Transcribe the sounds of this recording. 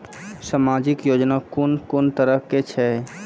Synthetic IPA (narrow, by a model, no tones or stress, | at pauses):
samad͡ʒikjod͡ʒnakonkont̪əɾəɦket͡ʃʰɛ